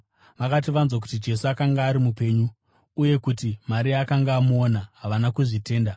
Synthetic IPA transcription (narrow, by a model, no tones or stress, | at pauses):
ʋakat̬iʋanzwak̬u̥tid͡ʒe̞suakaŋɡaːɾimupe̞ɲuː | je̞kutimaɾiakaŋɡaːmuonaɦaʋanakuʐite̞ːnda